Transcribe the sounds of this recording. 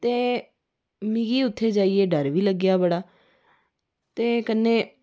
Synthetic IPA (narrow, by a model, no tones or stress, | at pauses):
t̪eː | mĩɡiːʊt̪ʰːeːd͡ʒaːiːeːɖəɾʋiːləɡːjaːbəɽaː | t̪eːkənːẽː